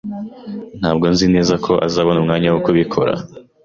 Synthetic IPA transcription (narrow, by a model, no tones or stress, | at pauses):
n̥haːbɡo̞nzine̞ːzakʰo̞ʔa̰zaːβonumŋaːɲawokuβikʰo̞ɾa̰